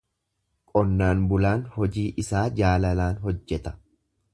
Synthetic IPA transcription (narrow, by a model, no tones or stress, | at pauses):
kʼɔnːaːnbʊlaːnhɔd͡ʒiːʔɪsaːd͡ʒaːlɐlaːnɦɔd͡ʒːɛt̪ɐ̥